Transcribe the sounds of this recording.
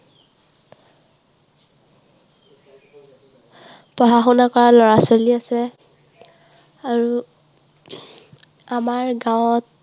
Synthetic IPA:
pɔɦaxɔnakɔɹalɔɹasoliasɛ | aɹu | amaɹɡawʊ̃ɔt̚

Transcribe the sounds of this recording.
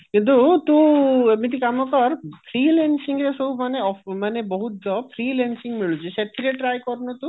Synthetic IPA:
kint̪ut̪ũmit̪ikamakɔɾfʰɾilensiŋɾesoumaneɔmanebɔɦut̪dɔfʰɾilensiŋmiɭut͡ɕʰeʃet̪ʰiɾeʈɾajkɔɾnot̪ũ

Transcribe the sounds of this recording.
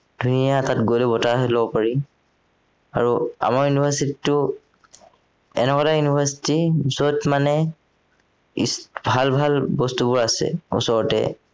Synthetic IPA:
d̥ʱunijatatɡojlɛbɔtaɦɛlɔbɔpaɹi | a̰ɹua̰maɹjunibʱasititːʊ | ɛ̰nɛkɔtajunibʱasi̥tizɔtmanɛ | ḭsbʱalbʱalbɔstubʊɹasɛ̰ṵsɔɹɔtɛ̰

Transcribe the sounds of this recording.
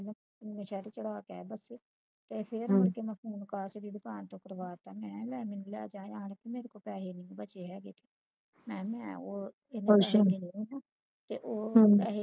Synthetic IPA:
lə | meːʃaːɾeːt͡ʃəɽaːkɛ̰ːbəseː | t̪eːpʰɪɾʊnkeːməpʰuːnkaːt͡ʃd̪iːd̪ʊkaːnt̪õːkəɾʋaːɾt̪ãːmɛ̃ːlɛːmɪnlɛ̰ːd͡ʒaːjaːnkɪmeːɾekoːpɛːɦeːnĩːbət͡ʃeːɦɛːɡeːt̪eː | mɛ̃ːmɛ̰̃ːoː | ɪnaãɡiːnĩːɛːnaː | t̪eːʔoːe

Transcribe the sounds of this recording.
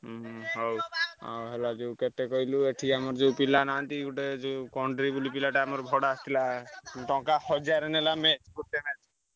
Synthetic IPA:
ɦowa̰wɦelad͡ʒeuket̪ekɔɦilueʈʰikamɔɾd͡ʒeupilanant̪iɡuʈed͡ʒeũkɔɳɖɾibulipilaʈaamɔɾbʱɔɽaːst̪ʰilaʈɔ̃kahɔd͡ʒaɾenelamet͡ʃkuʈ̪emet͡ʃ

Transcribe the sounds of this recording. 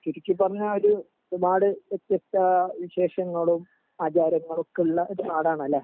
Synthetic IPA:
kiɾikʲːɨpɐrɐɲːɐoɾu | maːɽɨʋet̪jɐst̪ɐʋiɕe̞ːʂɐŋːɐɭum | aːt͡ɕaːɾɐŋːɐɭokːeuɭːɐʔoɾupaːɽaːɳɐlːɐ

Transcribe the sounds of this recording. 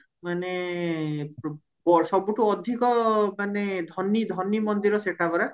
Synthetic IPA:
mane | bɔsɔbuʈuɔd̪ʱikɔmaned̪ʱɔnːid̪ʱɔnːimɔnd̪iɾɔseʈʰabɔɾa

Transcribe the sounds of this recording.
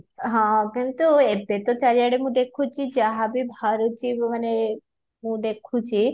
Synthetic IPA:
ɦãkint̪uebet̪ot͡ʃaɾijaɽemũd̪ekʰũt͡ʃʰid͡ʒaɦabibʱaɾut͡ʃimane | mũd̪ekʰũt͡ʃʰi

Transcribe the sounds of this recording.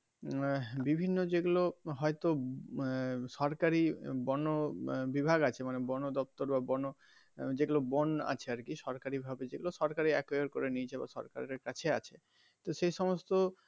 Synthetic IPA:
bibʱinːod͡ʑeɡuloɦɔet̪o | ʃɔɾkaɾibɔnobibʱaɡat͡ɕʰemanebɔnod̪ɔp̚t̪oɾbabɔno | d͡ʑeɡulobona̰t͡ɕʰeaɾkiʃɔɾkaɾibʱabed͡ʑeɡuloʃɔɾkaɾiɛkojoɾkoɾenit͡ɕʰeba̰ʃɔ̰ɾka̰ɾɾekat͡ɕʰeat͡ɕʰe | t̪oʃejʃɔmost̪o

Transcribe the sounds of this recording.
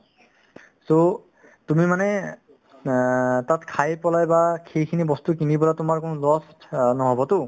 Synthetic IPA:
so | tumimanɛ | tatkʰajpɔlajbakʰejkʰinibɔstukinibɔlatʊmaɹkonʊlɔstnɔɦɔbɔtʊ

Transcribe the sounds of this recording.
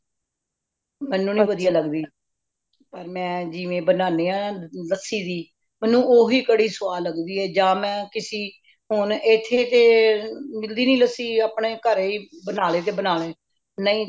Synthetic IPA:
mɛːnːũːnĩːʋəd̪ijaːləɡd̪iː | pəɾmɛ̃ːd͡ʒɪʋẽːbənaːneːãːləsiːd̪iː | mɛnːũːʔoːɦiːkəɽiːsʊʋaːləɡd̪iːɛːd͡ʒãːmɛ̃ːkɪsiː | ɦʊnet̪ʰːeːt̪eːmɪld̪iːnĩːləsiːaːpɳeːkəɾiːbənaːleːt̪̬eːbənaːleː | nəĩː

